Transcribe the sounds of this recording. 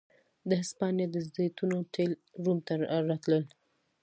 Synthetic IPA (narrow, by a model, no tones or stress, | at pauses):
d̪əɦɪspɑnjed̪əzd̪et̪unoʈʰelɾumt̪aɾɑt̪ləl